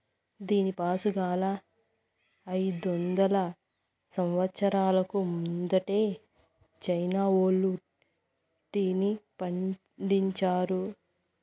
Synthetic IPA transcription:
d̪iːnipaːsuɡaːlɐ | ɐjd̪ɔnd̪ɐlɐ | sɐmʋɐt̪sɐɾaːlɐkumund̪ɐʈe̞ː | t͡ʃɐjnaːoːlu | ʈːinipɐɳ | ɖiɲt͡ʃaːɾu

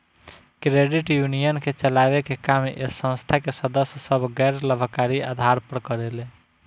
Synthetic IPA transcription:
kɾeɖiʈjunijənket͡ʃəlabekekamesə̃nst̪ʰakesəd̪əssəbʱɡɛɾləbʱkaɾiad̪ʱaɾpəɾkəɾele

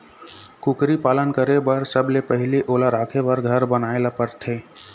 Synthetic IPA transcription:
kʊkɾipaːlənkəɾebəɾsəblepəɦɪliʔoːlaɾaːkʰebəɾɡʱəɾbənaːelapəɾt̪ʰeː

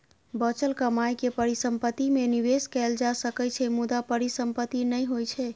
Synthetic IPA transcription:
bət͡ʃəlkəmajkepəɾisəmpət̪imeniʋeskɛld͡ʒasəkɛt͡ʃʰɛmud̪apəɾisəmpət̪ːinəjɦojt͡ʃʰɛ

